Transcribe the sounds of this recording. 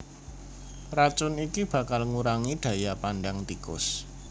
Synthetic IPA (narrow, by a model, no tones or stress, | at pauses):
pɾat͡ʃʊnikib̥ä̤kalŋuɾaŋiɖ̪̥ä̤japanɖaŋt̪ikʊ̰s